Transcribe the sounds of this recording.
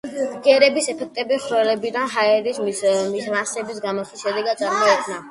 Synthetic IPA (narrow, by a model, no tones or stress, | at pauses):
ɡɛɾɛbisɛpʰɛk̚ʰt̪ʼɛbiχɾɛlɛbid̪anɦaɛɾismmiɾansɛbisɡamɔswisʃɛd̪ɛɡad̪̚sʼaɾmɔɛkʼʰna